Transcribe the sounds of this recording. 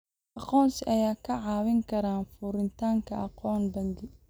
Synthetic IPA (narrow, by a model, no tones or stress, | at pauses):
ʔɑqɔːnsɪʔɐjaːkʰɐʕɑːwɪŋkʰɐɾaːnfʊɾɪnt̪ʰaːŋkʰɐʔɑqɔːnbɐŋɡɪ